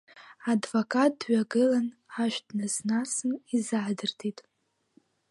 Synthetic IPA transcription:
advokʼat̚ʼdɥaɡɨlanħaʃʷᶣdnɨznasɨnizaʕdɨrtʰitʼ

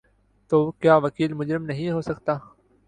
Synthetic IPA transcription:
t̪oːkjaːʋɐkiːlmʊd͡ʒɾɪmnɐɦĩɦoːsɐkt̪aː

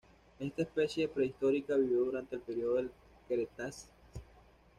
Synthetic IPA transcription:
e̞st̪aespe̞sjepɾe̞ist̪o̞ɾikaβiβjo̞ðuɾant̪eːlpe̞ɾioðo̞el | keɾet̪as

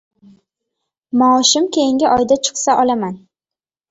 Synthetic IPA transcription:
mɒʃɪmkʲʰe̞jɪŋɡʲɪʔɒjd̪at͡ʃʰɨ̥qsaʔɒlaman

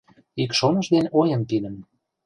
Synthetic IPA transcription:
ikʃonəʃd̪enojə̆nt̪ilə̆n

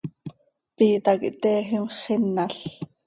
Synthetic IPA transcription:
piːt̪ɑkḭʔt̪ɛːɦimχɪnːaɬ

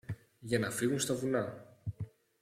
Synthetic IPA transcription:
ʝɐnɐfiɣunst̪ɐvunɐ

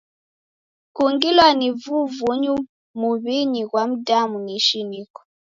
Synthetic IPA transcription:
kuŋɡilwanivuvuɲu | muβiɲiɣwam̩damuniʃinikɔ̥

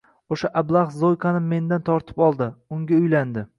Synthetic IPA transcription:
oʃaʔablˠɑχzojkʰɑnɪmːe̞nd̪ant̪ʰɒɾt̪ʰɪ̥pɒlˠd̪ɪʊŋɡʲaʊjland̪ɪ

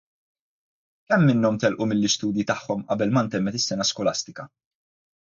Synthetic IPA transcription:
kɛmːɪnːɔmt̪ɛlʔumɪlːɪst̪uːd̪jit̪ɐħːɔmʔɐ̰bɛlmɐnt̪ɛmːɛt̪ɪsːɛnɐskɔlɐst̪ɪkɐ

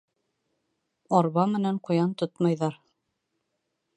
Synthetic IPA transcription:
ɑɾβɑmɘ̆næɴqŏjɑnt̪ot̪mɑjðɑɾ

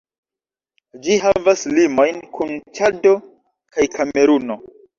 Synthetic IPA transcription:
d͡ʒiɦavaslimo̞jnkunt͡ʃado̞ | kajkʰame̞ɾuno̞

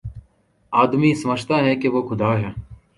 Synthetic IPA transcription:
aːd̪miːsəməd͡ʒt̪aːɦɛːkeʋoːkʰʊd̪aːɦɛː

